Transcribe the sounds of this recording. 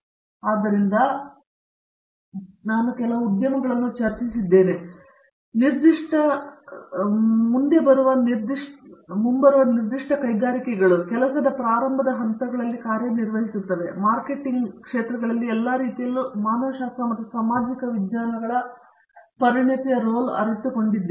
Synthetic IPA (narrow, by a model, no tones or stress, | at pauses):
aːd̪ːɐɾind̪ɐ | naːnukɛlɐʋɐud̪jɐmɐɡɐɭɐnːut͡ʃɐɾt͡ʃisid̪ːe̞ːne | niɾd̪iʂʈɐ | mund̪e̞bɐɾuʋɐniɾd̪iʂmumbɐɾuʋɐniɾd̪iʂʈɐkɐjɡaːɾikɛɡɐɭukɛlɐsɐd̪ɐpɾaːɾɐmbʱɐd̪ɐɦɐnt̪ɐɡɐɭɐlːikaːɾjɐniɾʋɐɦisut̪ːɐʋe̞maːɾke̞ʈːiŋɡkʂeːt̪ɾɐɡɐɭɐlːiɛlːaːɾiːt̪ijɐlːumaːnoːʃaːst̪ɾɐmɐt̪ːusaːmaːd͡ʒikɐʋid̪jaːnɐɡɐɭɐ | pɐɾiɳɐt̪ijɐɾoːlɐ̰ɾɐt̪uko̞ɳɖid̪ːe